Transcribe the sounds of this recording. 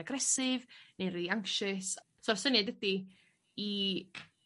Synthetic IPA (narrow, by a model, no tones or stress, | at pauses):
aɡrɛsɪvneriaŋkʃɨs | sɔrsənadədi | i